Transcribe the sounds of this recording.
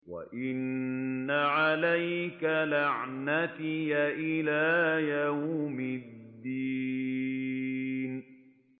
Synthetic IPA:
wa̰ʔɪnːaʕalajkalaʕnat̪ɪjaʔɪlaːjawmɪd̪ːi | n

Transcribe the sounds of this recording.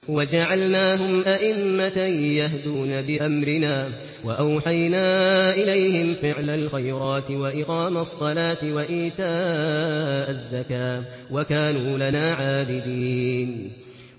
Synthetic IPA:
wad͡ʒaʕalnaːɦʊmʔaʔɪmːatajahd̪uːnabɪʔamɾɪnaː | waʔawħajnaːʔɪlajhɪmfɪʕlalxajɾˤɑːt̪ɪwaʔɪqɑːmasˤːɑlaːt̪ɪwaʔiːt̪aː | ʔazːakaː | wakaːnuːlanaːʕaːbɪd̪iːn

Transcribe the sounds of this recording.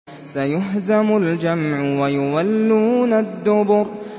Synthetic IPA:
sajʊɦzamʊld͡ʒamʕʊwajʊwalːuːnad̪ːʊbʊɾ

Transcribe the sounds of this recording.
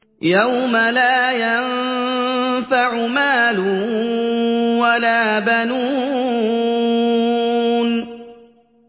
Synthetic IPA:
jawmalaːjan | faʕʊmaːlʊ | walaːbanuː | n

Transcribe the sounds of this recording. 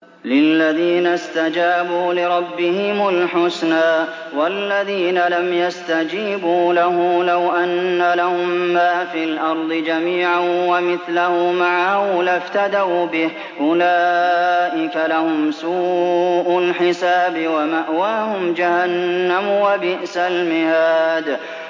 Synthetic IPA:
lɪlːaðiːnast̪ad͡ʒaːbuːlɪɾˤɑbːɪhɪmʊlħʊsnaː | walːaðiːnalamjast̪ad͡ʒiːbuːlaɦʊːlawʔanːalahʊmːaːfiːlʔɑɾˤd̪ˤɨd͡ʒamiːʕanwamɪθlahumaʕahʊlaft̪ad̪awbɪh | ʔʊlaːʔɪkalahʊmsuːʔʊlħɪsaːbɪwamaʔwaːhʊmd͡ʒahanːamwabɪʔsalmɪhaːd̪

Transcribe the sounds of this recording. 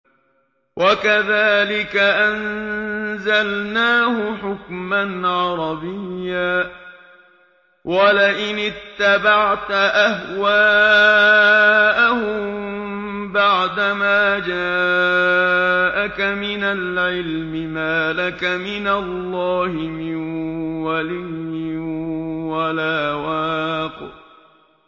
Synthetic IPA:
wʔakaðaːlɪkaʔan | zalnaːhʊħʊkmanʕɑɾˤɑbɪjːaː | wʔalɪʔɪnɪt̪ːabaʕt̪aʔahwaː | ʔahʊmm | baʕd̪amaːd͡ʒaː | ʔakamɪnalʕɪlmɪmaːlakamɪnalːɑːhɪmɪnwalɪjːɪ | walaːwaːq

